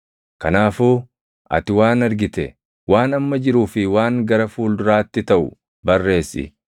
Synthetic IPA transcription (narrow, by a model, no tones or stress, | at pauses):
kɐnaːfuː | ʔɐ̰t̪ɪwaːnɐɾɡɪt̪ɛ | waːnɐmːɐd͡ʒɪɾuːfɪwaːŋɡɐɾɐfuːld̪ʊɾaːt̪ːɪt̪ɐʔʊ̰ | bɐrːe̞ːsɪ̰